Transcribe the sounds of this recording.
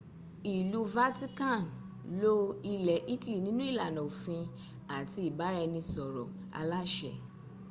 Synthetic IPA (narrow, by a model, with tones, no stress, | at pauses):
i˨lu˧˦va˦ti˦kã˦˨n | lo˦i˧lɛ˨ʔi˦ti˦li˨nĩ˨˦nũ˦i˦˨la˨nɔ̃˨o˨fĩ˧ | a˨ti˧i˨ba˨˦ɾɛ˧nĩ˧sɔ˨ɾɔ̰˨ | a̰˧la˦ʃɛ̰˨